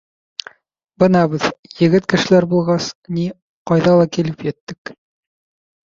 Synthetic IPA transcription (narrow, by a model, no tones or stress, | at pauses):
bɤnɑβɘðjɘ̆ɡɘt̪kɘ̆ʃɘ̆læɾbulˠʁɑsni | qɑjðɑlˠɑkilɘpjɘ̆t̪ːɘk